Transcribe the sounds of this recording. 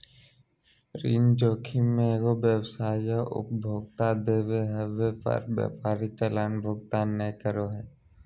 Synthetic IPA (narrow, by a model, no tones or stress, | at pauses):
ɾiːnd͡ʒoːkʰimẽɡobjəwsaːjjaʔʊ̰pbʱoːɡt̪ad̪eːʋeɦɛʋepə̰ɾbjə̰paːɾit͡ʃəlaːnbʱoːɡt̪anːəkəɾoɦɛː